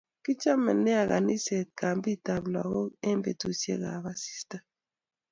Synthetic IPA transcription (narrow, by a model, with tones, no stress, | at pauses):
ki˦t͡ʃa˦mɛ̰˨nːɛ˦a˨ɣa̰˨ni˦se˨t̚ka˨mbi˦˨ta˨bla̰˨ɣɔ˦ɛ˦m˦be˨tu˨sjḛ˦ɣa̰˨ba˦si̥˦sta˦